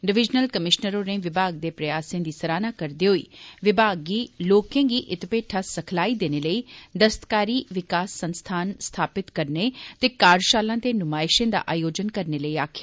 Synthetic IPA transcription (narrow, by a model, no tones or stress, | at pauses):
ɖɪʋɪd͡ʒnəlkəmɪʃnəɾõːnẽʋɪbʱaːɡ̚d̪eːpɾəjaːsẽːd̪iːsəɾaːnaːkəɾd̪eːɦoḭːʋɪbʱaːɡːiːloːkẽːɡiːʔɪt̪ɪpeːʈʰaːsəkʰlaːid̪eːneːləiːd̪əst̪kaːɾiːʋɪkaːsːənst̪ʰaːnst̪ʰaːpɪt̪kəɾnet̪eːkaːɾʃaːlãːt̪eːnʊmaːɪʃẽːd̪a̰ːʔaːjoːd͡ʒənkəɾneːləiːaːkʰjaː